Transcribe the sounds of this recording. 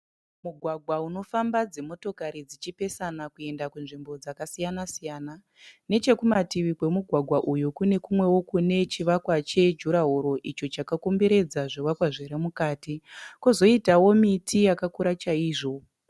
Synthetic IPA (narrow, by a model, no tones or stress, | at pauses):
muɡʱwaɡʱwauno̞fambad͡ze̞mo̞to̞kaɾid͡zit͡ʃipe̞sanakue̞ndakunʐimbo̞d͡zakasijanasijana | ne̞t͡ʃe̞kumatiʋikwe̞muɡʱwaɡʱwaʔujukune̞kumwe̞wo̞kune̞t͡ʃiʋakwat͡ʃe̞d͡ʒuɾaɦuɾo̞ʔit͡ʃo̞t͡ʃakakumbeɾe̞d͡zaʐoʋakwaʐeɾemukaːtikozo̞itawo̞mitʰijakakuɾat͡ʃaiːʐo̞